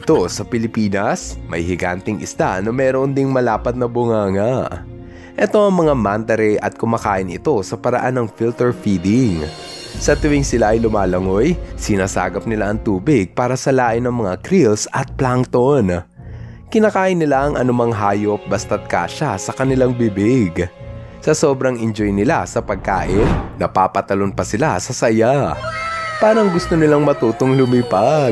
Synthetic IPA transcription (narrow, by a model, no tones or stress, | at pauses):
ɪt̪o̞sɐpɪlɪpiːnɐsmɐ̰jɦɪɡant̪ɛŋʔɪ̰st̪a̰nɐmɛːɾond̪ɪŋmɐlaːpɐt̪̚nɐbʊŋaːŋaʔ | ʔɛt̪o̞ɐŋmɐŋamant̪ɐɾɛʔɐt̪̚kʊmaːkaːʔɪnɪ̰t̪o̞sɐpɐɾɐ̰ʔanːɐŋfilt̪ɛɹfiːd̪ɪŋ | sɐt̪ʊwɪŋsɪlaʔɐjlʊmaːlɐŋojsɪnaːsa̰ːɡɐp̚nɪlaʔɐŋt̪uːbɪɡ̚paːɾɐsɐlaːʔɪnɐŋmɐŋakɾilsɐt̪̚plaŋt̪on | kɪnɐkaːʔɪnːɪlaʔɐŋʔɐnʊmaŋɦaːjo̞p̚bɐst̪ɐt̪̚ka̰ːʃasɐkɐnɪlaŋbɪbɪɡ | sɐso̞ːbɾɐŋɪnd͡ʒo̞jnɪla̰sɐpɐɡ̚ka̰ːʔɪnːɐpaːpɐt̪ɐlo̞npɐsɪla̰sɐsɐja | paːɾɐŋɡʊst̪onɪlaŋmɐt̪uːt̪oŋlʊmipa